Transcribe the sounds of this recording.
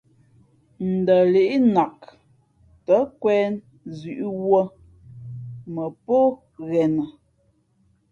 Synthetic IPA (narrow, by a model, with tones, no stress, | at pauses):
n̩˨də˨le˨ʔi˦na˨k | tə˨˦kwɛː˦n | zʉ˨ʔi˦wə˦ | mə˨po˦ | ɣɛ˨nə˨